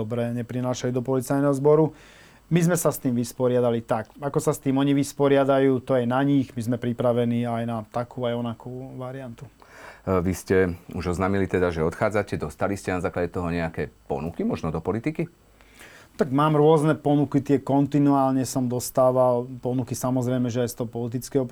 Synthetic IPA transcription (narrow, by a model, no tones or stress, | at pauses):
ɔbɾɛɲɛpɾinaːʃalud̪ɔpɔlit͡sajnɛɦɔzbɔɾu | mizmɛsast̪iːmʋispɔɾɪad̪alit̪akakɔsast̪iːmɔɲiʋispɔɾɪad̪ajuːt̪ɔjɛnaɲiɣmizmɛpɾipɾaʋɛniːajnat̪akuːajɔnakuːʋaɾiant̪u | ʋiscɛuʒɔznaːmilit̪ɛd̪aʒɛɔt̪xaːd͡zacɛd̪ɔst̪aliscɛnazaːklaɟɛt̪ɔɦɔɲɛakɛːpɔ̰nukimɔʒnɔd̪ɔpɔlit̪iki | t̪aɡmaːmɾʊɔznɛpɔnukit̪ɪɛkɔnt̪inuaːlɲɛsɔmd̪ɔst̪aːʋalpɔnukisamɔzɾɛjmɛʒɛajst̪ɔɦɔpɔlit̪̬it͡skɛɦɔ